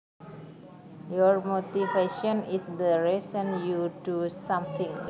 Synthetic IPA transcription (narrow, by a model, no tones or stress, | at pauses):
jɔrmot̪ifeʃɔ̃nisdəɹɛsɔ̃njudusãmt̪ĩŋ